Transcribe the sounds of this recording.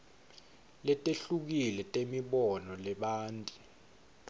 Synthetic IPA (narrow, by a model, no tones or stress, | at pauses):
lɛtʼeɬuk̬ilɛtʼemiɓɔnɔlɛɓaːntʼi